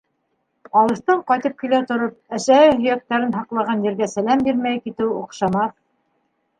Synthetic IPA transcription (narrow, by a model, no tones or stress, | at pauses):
ɑlˠɤ̆ʃt̪ɤɴqɑjt̪ɤp̚kilæt̪ŏɾop̚æʃæhɘɦɵ̆jæk̚t̪æɾɘnɦɑqlˠɑʁɑnjɘ̆ɾɡæsælæmbiɾmæjkit̪ɘwuqʃɑmɑθ